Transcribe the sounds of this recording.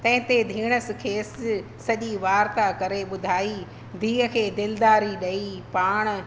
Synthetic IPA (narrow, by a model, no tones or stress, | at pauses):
t̪ɐ̃ɦɪ̃t̪ed̪ʱiːɽ̃əsɪ̆kʰeːsː | ɐʄiʋaːɾt̪akɐɾeɓʊd̪ʱaːi | d̪ʱiːɦəkʰeːd̪ɪld̪aːɾiɗɐipaːɽ̃